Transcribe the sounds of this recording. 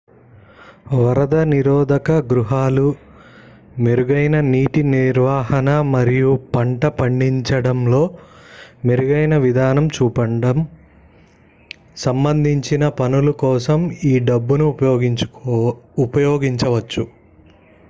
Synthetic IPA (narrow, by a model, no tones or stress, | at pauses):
ʋɐɾɐd̪ɐniɾɔːd̪ɐkɐɡɾuɦaːlu | meɾuɡɐjnɐniːʈiniɾʋaːɦɐnɐmɐɾijupɐɳʈɐpɐɳɖiɲt͡ʃɐɽɐmlo̞ː | meɾuɡɐjnɐʋid̪ʱaːnɐmt͡ʃuːpɐɳɖɐm | sɐmbɐnd̪ʱiɲt͡ʃinɐpɐnulukɔːsɐmiːɖɐbːunui | upɐjɔːɡiɲt͡ʃɐʋɐt͡ʃːu